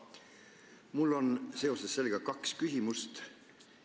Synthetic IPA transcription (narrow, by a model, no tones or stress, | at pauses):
mulːo̞nse̞o̞se̞sːe̞lɡ̥ɑkɑkskysimust̪